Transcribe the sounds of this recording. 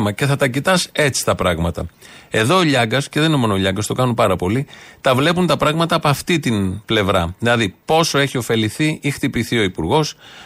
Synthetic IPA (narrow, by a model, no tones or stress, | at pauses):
mɐce̞θɐt̪ɐcit̪ɐse̞t͡si̥t̪ɐpɾɐɣmɐt̪ɐ̰e̞ðo̞ːʎɐɡɐsce̞ðeninomo̞nooʎɐŋɡɐst̪o̞kɐnupɐɾɐpo̞lit̪ɐvle̞punt̪ɐpɾɐɣmɐt̪ɐːpoɐft̪it̪inple̞vɾɐðilɐðipo̞so̞e̞çio̞fe̞liθiʔixt̪ipiθio̞ipuɾɣo̞s